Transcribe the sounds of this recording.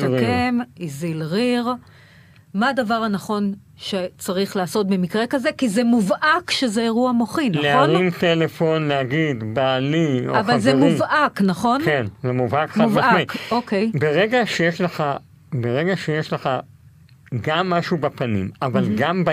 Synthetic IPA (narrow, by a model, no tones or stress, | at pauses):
akemizilʁiʁ | maːdavaʁhanaχo̞n | ʃet͡saʁiχlaːso̞t̪̚be̞mikʁe̞kaze̞kizemuvʔakʃezeeʁuamo̞χinaleaoʁimt̪elefo̞nlehaɡid̪baːlioavaalzemuvʔaknaχo̞nkenzemuvhakχavaaikokejbeʁeɡaʃejeʃleχa | beʁeɡaʃejeʃleχa | ɡamːaʃubapanḭmavalɡamba